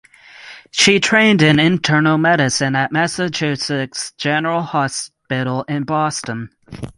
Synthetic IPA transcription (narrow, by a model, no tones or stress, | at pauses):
ʃitʰɹ̥ẽɪ̃ndɨ̃nɪ̃ntʰɜ˞nl̩ˠmɛɾɨsɨ̃nəʔ̚mɛsət͡ʃʰʉsɪksd̥ʒ̥ɛnə˞əl̩ˠhɑspɪɾl̩ˠɪ̃nbɔstə̃n